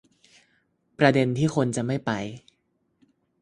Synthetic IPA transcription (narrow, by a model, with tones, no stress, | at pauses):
pɾa˧de˧nt̪ʰiː˥˩xʰo˧nt͡ɕa˨˩ma˥˩jpa˧j